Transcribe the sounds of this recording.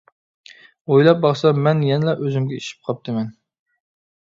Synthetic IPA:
ojlˠɑp̚bɑχsɑmɛnjɛnɪlɛʔøzymɡʲɛiʃi̥p̚qʰɑp̚t̪ʰɨmɛn

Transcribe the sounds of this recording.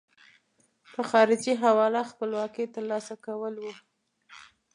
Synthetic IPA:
pəxɑɾɪd͡ʒiɦawɑlaxpəlwɑket̪əɾlɑsakawəlwu

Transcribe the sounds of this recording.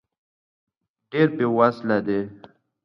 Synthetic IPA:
ɖeɾpewaslad̪e

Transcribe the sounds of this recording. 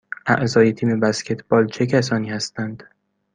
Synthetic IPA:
ʔæ̰ʔzɒːje̞t̪ʰiːme̞bæscʲʰe̞t̪ʰb̥ɒːlt͡ʃʰe̞cʰæs̬ɒːniːhæst̪ænd̪̥

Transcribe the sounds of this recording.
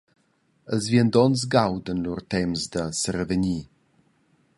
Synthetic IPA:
əzviənd̪ɔns̬ɡawd̪ənluɾt̪ɛmzd̪əsəɾəvəɲi

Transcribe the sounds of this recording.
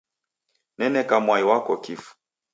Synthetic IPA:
nɛnɛkamwaiwakɔkifu̥

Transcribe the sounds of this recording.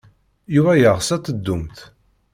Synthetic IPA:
juvæjəʁsæt͡s̪ːəd̪ːumt̪

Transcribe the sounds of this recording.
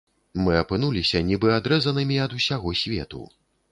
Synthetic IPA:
mɨɐpɨn̪ulʲisʲɐnʲibɨad̪ɾɛzɐnɨmʲiɐd̪usʲaɣɔsʲvʲɛ̰t̪ṵ

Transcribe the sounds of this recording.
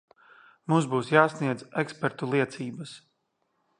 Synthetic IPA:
mumzbuːsjaːsniɛd̪zɛkspɛɾt̪ulˠiɛt̪siːbəs

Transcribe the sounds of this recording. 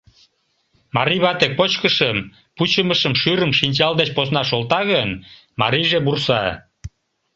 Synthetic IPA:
mɑɾiβɑt̪ek̚pot͡ɕkəʃəm | put͡ɕəməʃəmʃyɾəmʃinʲt͡ɕɑld̪et͡ɕposnɑʃolt̪ɑɣən | mɑ̰ɾijʒebursɑ

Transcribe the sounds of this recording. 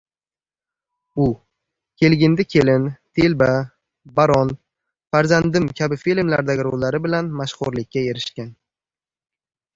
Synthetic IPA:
ʊ | kʲʰe̞lɡʲɪnd̪akʲʰe̞lɪnt̪ʰe̞lba | baɾɒn | faɾzand̪ɪmkʲʰabɪfilmlaɾd̪aɡʲɪɾolaɾɪbɪlanmaʃχʊɾlɪkʲʰːae̞ɾɪʃkʲan

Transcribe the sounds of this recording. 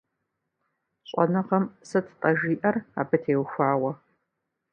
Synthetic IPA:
ɕʼɔ̰nɐqɐmsɐtʰtʼɐʒiːʔɐra̰ːbɨtʰeːwxʷaːwɐ

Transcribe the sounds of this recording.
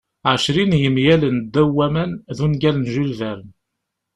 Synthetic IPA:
ʕəʃɾinjəmjælənd̪ːæwːæmænðunɡælənʒulvæɾən

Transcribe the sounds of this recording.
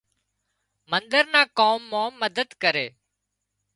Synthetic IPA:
mənd̪əɾnãːkoːmːãːməd̪əd̪kəɾeː

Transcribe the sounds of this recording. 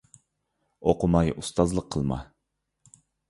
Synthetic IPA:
oqʰʊmɑjʔust̪ɑzlˠəqʰːəlˠmɑ̰

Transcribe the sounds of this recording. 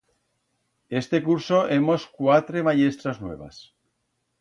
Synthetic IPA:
est̪ekuɾsoʔemoskwat̪ɾemaʎe̞st̪ɾaznwe̞̰β̞a̰s

